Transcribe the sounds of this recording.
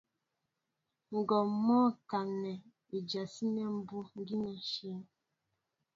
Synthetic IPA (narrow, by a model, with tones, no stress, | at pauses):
ŋ̩˨ɡɔ˨mɔ˦ka˨nɛ˨ | i˨d͡ʒa˨si˦nɛ˦m̩˦bu˦ŋ̩˦ɡi˦nɛ˦ʃi˦ŋ